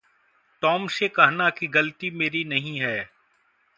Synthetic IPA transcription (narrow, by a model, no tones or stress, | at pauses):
ʈ̪ɔːmsekɐɦnakiɡɐlt̪imeːɾinɐɦĩɦɛː